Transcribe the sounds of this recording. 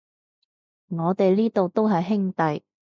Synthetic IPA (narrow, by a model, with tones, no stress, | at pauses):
ŋɔː˨˧t̪e˨jliː˥t̪o˨wt̪o˥wɦɐ˨jɦɪ˥ŋt̪ɐ˨j